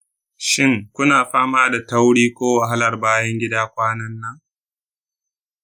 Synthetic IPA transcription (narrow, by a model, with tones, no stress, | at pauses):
ʃɪ˦˨ŋkʷʊ˦naː˨ɸaː˦maː˦da˨tɐ˦wɽiː˦kʷoː˦wa˨ɦa˦lɐ˨rbaː˦jɐ˦ŋɡʲɪ˦daː˦kʷaː˦nɐ˦nːɐ˦ŋ